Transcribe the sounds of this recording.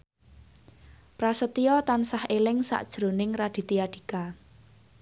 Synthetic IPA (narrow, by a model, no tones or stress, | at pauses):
pɾasət̪ijɔt̪ansahelɪŋsa̰ʔd̥ʒ̥ɾo̤nɪŋrad̪̥i̤t̪ijaɖ̥i̤ka